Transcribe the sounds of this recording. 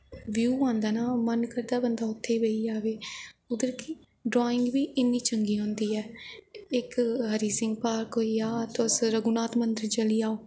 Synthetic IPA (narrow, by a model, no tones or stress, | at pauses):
ʋjuːãːnd̪aːnaːmənkəɾd̪aːbənd̪aːʊt̪ʰːeːbeiːd͡ʒaːʋeːʊd̪əɾkɪ | ɖɾaːɪ̃ŋɡʋiːʔɪnːiːt͡ʃəŋɡiːɦʊ̃ːnd̪iːɛːɪkɦəɾiːsɪŋɡpaːɾkoːiːaːt̪ʊsɾəɡuːnaːt̪mənd̪əɾt͡ʃəliːaːoː